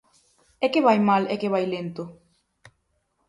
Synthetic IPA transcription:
ɛkeβajmalekeβ̞ajlent̪o

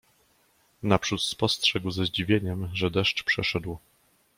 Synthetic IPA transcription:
napʂut̪spɔstʂɛɡwzaʑd͡ʑivʲjeɲɛmʐɛd̪ɛʂt͡ʂpʂɛʂɛd̪w

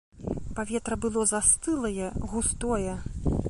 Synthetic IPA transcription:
pavʲɛt̪ɾɐbɨlˠɔzast̪ɨlˠɐjɛɣust̪ɔjɛ

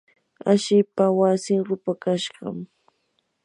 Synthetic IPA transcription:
aʃɪpawasɪŋɾʊpakaʃɢɑ̰m

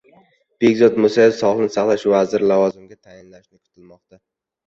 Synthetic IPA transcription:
b̥eɡʲzɒt̪mʊsajɪsɒlˠɪnɪsaχlˠaʃvazɪɾlavɒzɪmɡʲat̪ʰajɪnlaʃnɪkʰʊ̥t̪ʰɪlmɒqt̪a

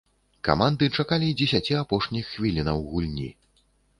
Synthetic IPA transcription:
ka̰mand̪ɨt͡ʂakalʲid͡zʲɛsʲat͡sʲiapɔʂnʲixːvʲilʲinɐwɣulʲnʲḭ

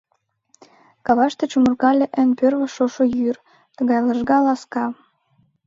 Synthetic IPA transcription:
kɑβɑʃt̪ĕt͡ɕumərkɑlʲeʔənpørβə̆ʃoʃojyr | t̪ə̆ɣɑjləʒɣɑlɑskɑ

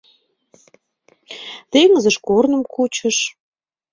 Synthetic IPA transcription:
t̪eŋəzəʃkornə̆mkut͡ɕə̆ʃ

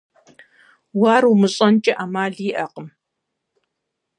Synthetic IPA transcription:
waːrumɨɕʼɐnt͡ʃʼɪʔamaːɮiːʔɐqʼəm

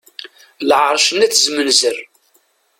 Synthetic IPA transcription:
lʕəɾˤʃənæt͡sːzmənzər

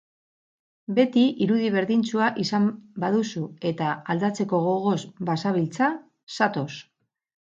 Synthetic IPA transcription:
be̞t̪iiɾuðiβ̞e̞ɾðint͡suaʔisambaðusue̞t̪aːld̪at͡se̞ko̞ɣo̞ɣ̞o̞zbasaβilt͡sa | sat̪o̞s

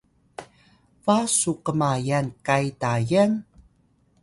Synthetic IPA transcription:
vasuqəmajankajtajən

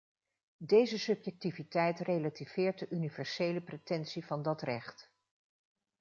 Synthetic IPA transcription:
dejzəsɵpjɛk̚tivitɛjtrejlativ̥ɪːɹt̚dəʔynivɛɹsejləpretɛnsivɑndɑtrɛχt

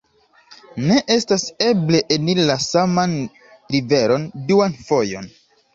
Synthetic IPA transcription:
ne̞ʔe̞stase̞ble̞ʔenilasaman | ɾive̞ɾo̞nduanfo̞jo̞̰n

